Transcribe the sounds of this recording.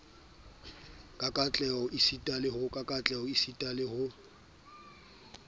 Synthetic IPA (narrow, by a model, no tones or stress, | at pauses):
kʼakʼat͡ɬʼɛɔʔisitʼalɪhʊkʼakʼat͡ɬʼɛɔisitʼalɪhʊ